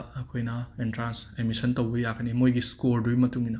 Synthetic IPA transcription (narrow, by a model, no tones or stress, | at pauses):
ɐkʰojnɐentɾansemisɐntɐwbɐjakɐnimojɡiskoɾdujmɐtuŋinɐ